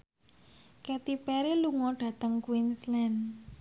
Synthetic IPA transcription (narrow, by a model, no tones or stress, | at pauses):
kɛt̪ipɛɾeluŋɔɖ̥ä̤t̪əŋkwinslɛn